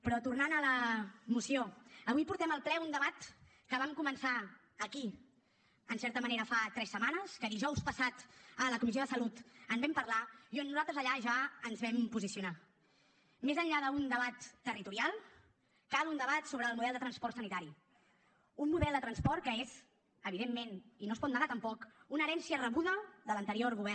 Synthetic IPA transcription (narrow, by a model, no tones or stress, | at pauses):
pɾɔt̪urnanələmusioəβujpuɾt̪ɛməlˠplɛund̪əβat̪ | kəβ̞amkumənsa | əki | ənsɛɾt̪əməneɾəfat̪ɾɛsːəmanəskəðiʒɔwspəsat̪ələkumisioðəsəlut̪ənzβɛmpərlaionnuzalˠt̪ɾəzəʎaʒaənzβɛmpuzisiuna | mezəɲʎaðəund̪əβat̪ːərit̪uɾialˠ | kalund̪əβat̪soβɾəːlˠmuðɛlˠd̪ət̪ɾənspɔɾrt̪sənit̪aɾi | unmuðɛlˠd̪ət̪ɾənspɔɾt̪̚kəez | əβ̞iðemːeninospɔt̪naðat̪əmpɔkunəɾɛnsiərəβuðəðələnt̪əɾioɾɣuβɛ